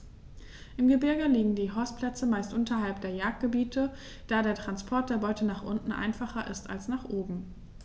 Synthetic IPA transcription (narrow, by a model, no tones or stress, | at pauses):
ʔɪmɡəbɪɐɡəliːɡŋ̩diːɦɔstpʰlɛt͡səmaɪstʔʊntʰɐɦalp̚d̥eːɐjaːk̚t̚ɡ̥əbiːtʰə | d̥aːɾeːɐtʁ̥anspʰɔɐt̚d̥eːɐbɔʏtʰənaːχʔʊntn̩ʔa̰ɪnfaχɐʔɪ̰sta̰lsnaːχʔoːbm̩